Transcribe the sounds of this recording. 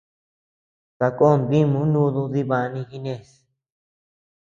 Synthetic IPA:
ka˧ko˦˨nd̪ĩ˦mũ˧˦nũ˦ðu˧ði˧βã˧nĩ˧xi˧nẽ˧˨s

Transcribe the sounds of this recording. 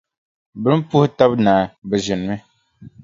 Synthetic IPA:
bɨ˦m˦pu˦hʊ˦ta˦bnaː˨bɛ˨ʒɪ˨n˨mɨ˦

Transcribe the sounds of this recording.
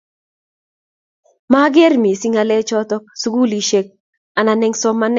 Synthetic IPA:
ma˦ɡe˦ɾmi˨si˦ŋa˨lɛ˦t͡ʃɔ˦tɔ˦k̚su˦ɡu˦li˨ʃe˦k̚ | a˨na˨nɛ˦ŋsɔ˦ma˦n˦

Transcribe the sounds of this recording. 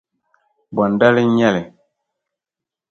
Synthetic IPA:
ba˨nda˦li˦ɲɛ˦lɛ˨

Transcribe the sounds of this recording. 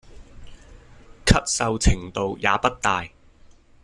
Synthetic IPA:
kʰɐ˥t̚sɐ˨˧wt͡sʰɪ˨˩ŋt̪o˨wja̰ː˨˧pɐ˥t̚t̪aː˨j

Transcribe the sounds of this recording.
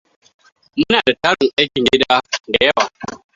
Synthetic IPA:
mʊ˦naː˨da˨taː˦ɽɪ˨ʔa˦jkʲɪ˨ɡʲɪ˦daː˦da˨jɐ˦waː˨

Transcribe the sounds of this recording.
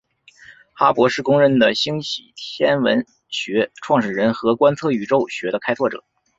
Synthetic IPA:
xa˥pwɔ˧˥ʂɻ̩˥˩kʊ˥ŋɻə˧˥nd̪ə˨ɕi˥ŋɕi˨˩t̪ʰjɛ˥nwə̰˧˥n | ɕɥɛ˧˥ʈ͡ʂʰwɑ˥˩ŋʂɻ̩˨˩ɻə˧˥nxɤ˧˥kwa˥nt͡sʰɤ˥˩y˨˩ʈ͡ʂo˥ʊɕɥɛ˧˥d̪ə˧kʰa˥ɪt͡sʰwɔ˥˩ʈ͡ʂɤ̰˨˩˦

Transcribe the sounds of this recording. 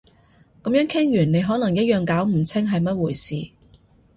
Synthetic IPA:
kɐ˨˥mjœː˨˥ŋkʰɪ˥ŋjyː˨˩nne˨˧jɦɔː˨˥nɐ˨˩ŋjɐ˥t̚jœː˨ŋkaː˨˥wm̩˨˩t͡sʰɪ˥ŋɦɐ˨jmɐ˥t̚wuː˨˩jsiː˨

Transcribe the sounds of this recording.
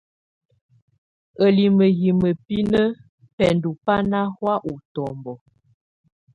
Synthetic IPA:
ə˨li˨mə˨ɣi˨mə˨pi˦nə˦ | pɛ˨ndu˨pa˦na˦hwa˦ʔu˨tɔ˨mbɔ˨

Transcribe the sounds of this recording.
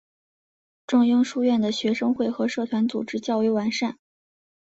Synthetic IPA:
ʈ͡ʂʊ˥˧ŋi˥ŋʂu˥˧ɥɛ˥˩nd̪ə˩ɕɥɛ˧˥ʂɤ˥ŋxwe˥˩ɪxɤ˧˥ʂɤ˥˩t̪ʰwa˧˥nt͡su˨˩ʈ͡ʂɻ̩˥t͡ɕjɑ˥˧ʊy˥˩wa˧˥nʂa˥˩n

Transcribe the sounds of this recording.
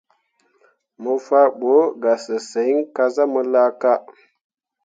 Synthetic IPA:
mə˨fa˦ɓo˨˦ɡa˨sə˨se˨˦i˦ŋ˦ka˦za˦mə˦la˦ka˦

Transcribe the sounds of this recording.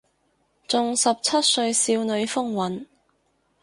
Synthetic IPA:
t͡sʊ˨˧ŋsɐ˨p̚t͡sʰɐ˥t̚sɵ˧ɥsiː˧wnɵ˨˧ɥfʊ˥ŋwɐ˨˥n

